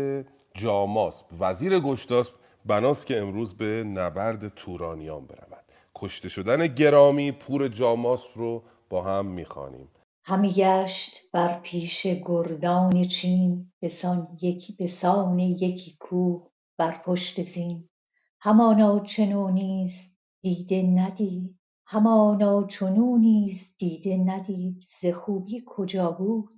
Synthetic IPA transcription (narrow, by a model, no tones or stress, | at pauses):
e | d͡ʒɒːmɒːsbvæziːɾeɡoʃt̪ɒːsb̚ | bænɒːst̪cʰe̞ːmɾuːzbenæbæɾd̪et̪ʰuːɾɒːnijɒːnbe̞ɾæ̰væd̪̥ | kʰoʃt̪e̞ʃod̪æneɟe̞ɾɒːmiːpʰuːɾe̞d͡ʒɒːmɒːsbɾo | b̥ɒːɦæmːiːxɒ̰ːnḭːm | hæmiɡæʃt̪b̥æɾpʰiːʃeɡoɾd̪ɒːnet͡ʃʰiːnbesɒnjebesɒːne̞jecʰiːkʰuːh | b̥æɾpʰoʃt̪e̞ziːn | hæmɒːnɒːt͡ʃʰe̞noːniːz | d̪̥iːd̪e̞næd̪iːd̪̥̚ | hæmɒːnɒːt͡ʃʰonuːniːzd̪iːd̪e̞næd̪iːd̪z̥e̞xuːbiːkʰo̞d͡ʒɒːbuːd̪̥